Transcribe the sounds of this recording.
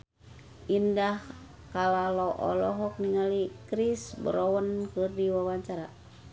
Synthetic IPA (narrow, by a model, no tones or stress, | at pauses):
ʔindahh | kalalɔʔɔ̰lɔɦɔk̚niŋalikɾisbəɾɔwənkɨrdiwawaɲt͡ʃaɾa